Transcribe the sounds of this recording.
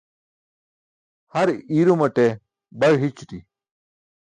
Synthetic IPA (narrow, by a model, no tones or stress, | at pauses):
hɐɾiːɾumɐʈe | bɐɽɦit͡ɕt̪i